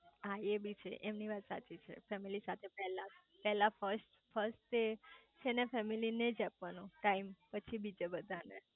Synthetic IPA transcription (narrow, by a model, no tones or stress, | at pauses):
aebit͡ʃʰḛʔemniʋat̪sa̰t͡ʃit͡ʃʰḛfɛmilisat̪ʰepɛɦla | pɛɦlafəɾsʈ | fʰəɾsʈet͡ʃʰenefɛmilined͡ʒapʋanũʈaimpət͡ʃʰibid͡ʒabəd̪ʱane